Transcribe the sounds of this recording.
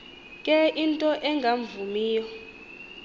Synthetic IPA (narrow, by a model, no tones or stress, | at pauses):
kʼɛintʼɔʔɛŋɡʱaɱvumiːjɔ